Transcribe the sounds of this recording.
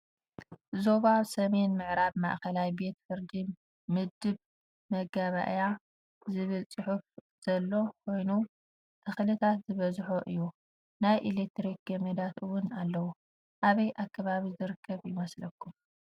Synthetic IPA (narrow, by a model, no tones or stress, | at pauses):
zo̞βaβsɐme̞nmɨʕɾaβma̰ʔkɐlajbe̞t̪fɨɾd̪i | mɨd̪ɨβ | mɐɡaβa̰ʔja | zɨβɨlt͡sʼɨħufz̥ɐlːo̞kʰo̞jnu | t̪ʰɨxlɨt̪ʰat̪zɨβɐzħoʔɨ̰jːu | najʔilek̚t̪ɾik̚ɡɐmɐd̪at̪ɨwʊnalːɐwu | ʔaβɐjʔakːɐβaβizɨɾɨkʰːɐβjɪmɐslɐkʰːum